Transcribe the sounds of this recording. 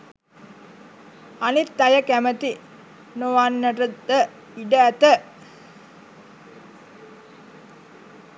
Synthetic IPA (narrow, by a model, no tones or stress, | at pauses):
anit̪ːajəkæmət̪i | noʋanːəʈəd̪ə | iɖəæt̪ə